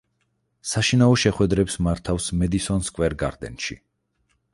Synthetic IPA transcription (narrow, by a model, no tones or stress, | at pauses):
saʃinaɔʃɛχwɛd̪ɾɛpsmaɾt̪ʰafsmɛd̪isɔnskʼwɛɾɡa̰ɾd̪ɛ̰nʃḭ